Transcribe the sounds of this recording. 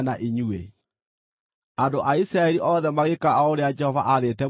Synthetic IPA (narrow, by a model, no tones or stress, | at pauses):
naʔiɲuḛ | andoʔaisɾaɛɾiʔɔðɛmaɣekaaoɾead͡ʒɛhɔva̰ʔaðetɛ